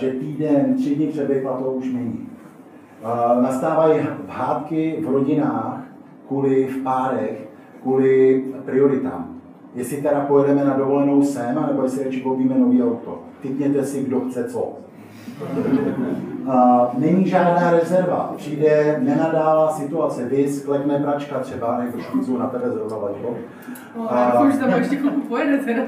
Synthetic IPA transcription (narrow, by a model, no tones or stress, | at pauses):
ʒɛt̪iːdɛnt̪r̝̥ɪdɲɪpr̥ɛbɛjplat̪owuʃnɛɲiː | nast̪aːvajiɦaːt̪kɪvɾo̞ɟɪnaːx | kuːlɪfpaːɾɛx | kuːlɪpɾɪo̞ɾɪt̪a̰ːm | jɛsɪt̪ɛɾapojɛdɛmɛnado̞vo̞lɛno̞wsɛnanɛbojɛsɪɾɛt͡ʃɪkoviːmɛno̞viːawt̪o̞̰ | t̪ɪkɲɛt̪ɛsɪɡdoxt͡sɛt͡so | nɛɲiːʒaːdnaːɾɛzɛɾva̰pr̝̥iːdɛnɛnadaːlasɪt̪uat͡sɛvɪsklɛknɛpɾat͡ʃkat̪r̥ɛbaajɛzuʃkuzownat̪ɛbɛzɾozavad͡ʒɦo | aʃt̪aɛʃɛkoupojɛdɛt̪ɛɾa